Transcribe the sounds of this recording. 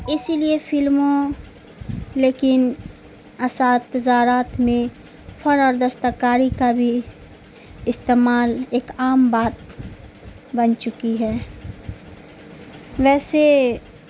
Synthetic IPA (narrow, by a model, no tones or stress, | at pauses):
ɪsiliefʰɪlmõ | leːkɪn | ɐsaːd̪ɐd͡ʒaːɾaːt̪mẽ | fʰɐɾɔːɾd̪əst̪akaːɾikabʱi | ɪst̪eːmaːleːkaːmbaːt̪ | bɐnt͡ʃʊkiɦɛː | ʋɛːse